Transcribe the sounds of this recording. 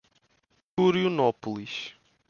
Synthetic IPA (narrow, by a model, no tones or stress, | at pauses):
kuɾjunɔpulˠiʃ